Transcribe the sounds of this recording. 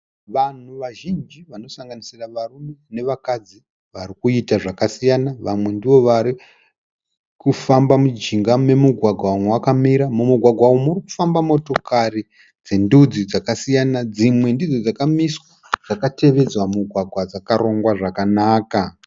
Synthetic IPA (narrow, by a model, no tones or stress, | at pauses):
ʋan̤uʋaʒind͡ʒiʋano̞saŋɡanisiraʋarume̞ne̞ʋakad͡zi | ʋaɾikuitaʐakasijanaʋamwe̞ndiʋo̞ʋaɾi | kufambamud͡ʒiŋɡame̞muɡʱwaɡʱwaumwakamiɾamumuɡʱwaɡʱwawomuriku̥fambamo̞to̞kari | d͡ze̞ndud͡zid͡zakasijanad͡zimwe̞ndid͡zo̞d͡zakamiswa | d͡zakate̞ʋe̞d͡zwamuɡʱwaɡʱwad͡zakaɾo̞ŋɡwaʐakanaːka